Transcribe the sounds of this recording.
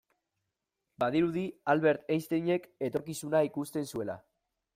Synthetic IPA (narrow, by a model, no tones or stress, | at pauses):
baðiɾuðialβe̞ɾt̪ejst̪eɲe̞ke̞t̪o̞ɾkisunaikust̪e̞nsue̞la̰